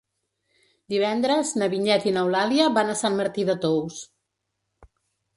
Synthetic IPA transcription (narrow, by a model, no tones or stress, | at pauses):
d̪iβ̞ɛnd̪ɾəznəβiɲɛt̪inəwlaliəβanəsanməɾt̪iðət̪ows